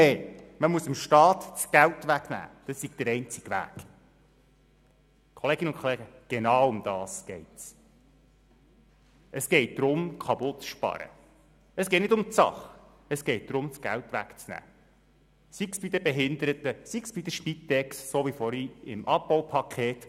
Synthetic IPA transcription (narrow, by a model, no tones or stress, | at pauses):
ɛjməmuəsɪmʃtɑːt̪t͡sɡ̥æltʋæɡnæ̰ːd̥ɑssiɡd̥̪əɾɛɪnt͡sɪ̥ɡ̥ʋæ̰ːk | kʰɔleːɡɪnʊnkʰχɔleːɡəɡ̥enɑːwʊmd̥̪ɑːsɡ̥ɛɪts | əsɡ̥ɛɪt̚d̥̪ɾʊmkʰɑbʊtʃpɑ̰ɾə̰ | əsɡ̥ɛɪtnɪdʊmt͡sɑ̰χ | əsɡ̥ɛɪt̚d̥̪ɾʊmt͡sɡ̥æ̰lt̪ʋæ̰kt͡snæ̰ː | siksb̥id̪əbɛɦɪnd̪əɾət̪əsiksb̥id̪əʃpit̪ːɛksːoʋifɔɾiɪ̰mʔɑp̚bɔwpʰɑkʰeːt̪